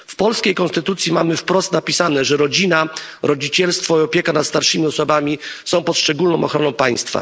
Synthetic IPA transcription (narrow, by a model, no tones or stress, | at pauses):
fpɔlskʲejkɔ̃nst̪ɘt̪ut̪sʲjimamɘfpɾɔst̪napʲisanɛʐɛɾɔd͡ʑinaɾɔd͡ʑit͡ɕɛlst̪fɔiɔpʲjɛkanat̪st̪aɾʂɘmʲiɔsɔbamʲisɔ̃w̃pɔt̪ʂt͡ʂɛɡulnɔ̃w̃ɔxɾɔnɔ̃w̃paj̃st̪fa̰